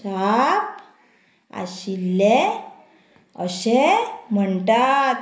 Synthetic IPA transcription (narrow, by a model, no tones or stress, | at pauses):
ap | a̰ɕilːe | əɕem̤əɳʈ̪at̪